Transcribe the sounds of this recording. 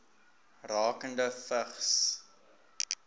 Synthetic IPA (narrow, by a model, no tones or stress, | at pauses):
rɑːkəndəfəχs